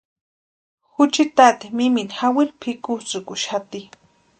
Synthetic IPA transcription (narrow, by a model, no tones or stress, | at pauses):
xʊt͡ʃit̪at̪imiminxawilpʰikut͡sʊkʊʃat̪i